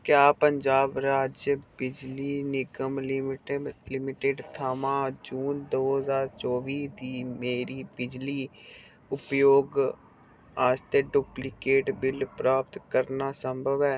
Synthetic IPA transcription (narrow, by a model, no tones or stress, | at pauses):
kjaːpəɲd͡ʒaːbɾaːd͡ʒjəbɪd͡ʒliːnɪɡəml | lɪmɪʈeɖt̪ʰaːmaːd͡ʒuːnd̪oːɦəzaːɾt͡ʃɔːʋiːd̪iːmeːɾiːbɪd͡ʒliː | ʊpjoːɡ | aːst̪eɖuplɪkeːʈbɪlpɾaːp̚t̪kəɾnaːsəmbʱəʋɛː